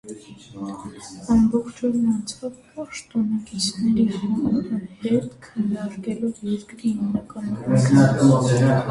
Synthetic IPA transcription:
ɑmbɔχt͡ʃʰɔɾinɑnt͡sʰɑvpɑʃt̪ɔnɑkit͡sʰnɛɾihumɑɾəhɛt̪kʰənːɑɾkɛlɔvjɛɾkɾiimnɑkɑnɔk̪

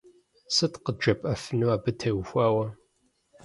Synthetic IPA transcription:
sɨtqəd͡ʒɐpʼɐfɨnuaːbɨtʰɐwxʷaːwɐ

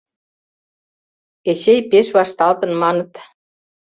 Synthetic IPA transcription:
ɛsejpɪsvḁst̪alt̪ənmanət̪

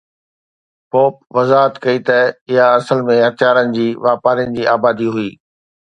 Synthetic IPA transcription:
poːpʋɐzaːɦət̪kɐit̪ɐɪɦaɐsəlmẽɦɐt̪jaːɾənɪ̆d͡ʑiːʋaːpaːɾijənɪ̆d͡ʑiːaːbaːd̪iɦʊiː

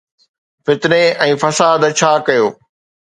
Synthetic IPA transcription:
fɪt̪neɛ̃ːfɐsaːd̪t͡ɕʰaːkɐjoː

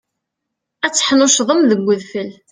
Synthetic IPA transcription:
æt͡sːə̥ħnʊʃðˤəmðəɡʷːəðfəl

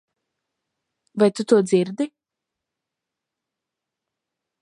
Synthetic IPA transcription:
vajt̪ut̪uɔd̪ziɾd̪i

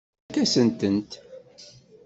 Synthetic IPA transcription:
kːæsənt̪ənt̪

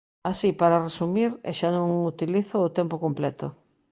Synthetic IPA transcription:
asipaɾaresumiɾḛʃanõŋut̪iliθʊːt̪ɛmpokomplɛt̪ʊ

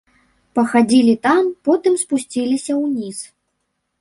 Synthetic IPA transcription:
pɐxad͡zʲilʲit̪ampɔt̪ɨmspusʲt͡sʲilʲisʲɐwnʲis

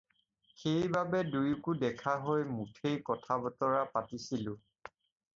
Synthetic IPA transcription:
xejbabɛdujkʊdɛkʰaɦojmutʰejkɔtʰabɔtɔɹapatisilʊ̃

